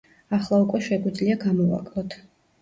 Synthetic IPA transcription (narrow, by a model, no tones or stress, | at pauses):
aχlˠaukʼwɛʃɛɡwid̪zliaɡamɔva̰kʼlˠɔt̪ʰ